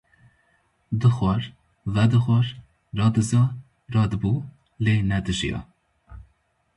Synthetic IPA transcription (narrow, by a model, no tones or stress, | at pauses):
d̪ɨxʷɑɾ | vɛd̪ɨxʷɑɾ | rɑːd̪ɨzɑː | rɑːd̪ɨbuː | leːnɛd̪ɨʒijɑ̰